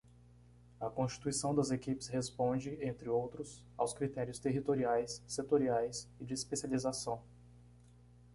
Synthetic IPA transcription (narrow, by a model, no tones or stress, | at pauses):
ɐkõst͡ʃi̥t̪uisɐ̃w̃d̪ɐzekipɪ̥shespõd͡ʒɪẽnt̪ɾɪowt̪ɾʊs | a̰wskɾit̪ɛɾiʊst̪eɦit̪oɾiajsːet̪oɾiajsɪd͡ʒɪːspesializasɐ̃w̃